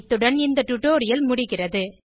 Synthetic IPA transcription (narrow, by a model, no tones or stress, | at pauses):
t̪ːɯɽɐnɪnd̪ɐʈ̪ʊʈːoːɾɪjɐlmʊɽɪɣɪrɐðɯ